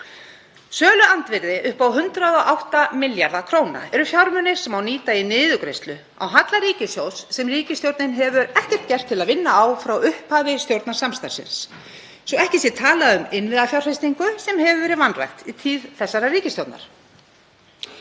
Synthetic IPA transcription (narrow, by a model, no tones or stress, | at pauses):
sœːlʏant̪vɪɾðɪʔʏhpawɦʏnt̪ɾaðɔʔawht̪amɪljaɾðakʰɾoːwna̰ɛɾʏfjawɾmʏnɪ̥sɛmawniːt̪ainɪːðʏkɾejst̪lʏ | a̰wɦat̪laɾiːcɪsjowsːɛmriːcɪst̪jowɾt̪nɪnɦɛvʏɾɛhcɛr̥t̪cɛr̥t̪ʰːɪlaðvɪnːaːwfɾawʏhphavɪst̪jowɾt̪nasamst̪aɾsɪ̰nsː | ɔɛhcɪsjɛt̪ʰaːlaʏmɪnvɪðafjawr̥fejst̪iŋkʏsɛmhɛvʏvɛːɾɪðvanra̰jxt̪it̪ʰiːðθɛsːaɾariːcɪst̪jowt̪na̰ɾ̥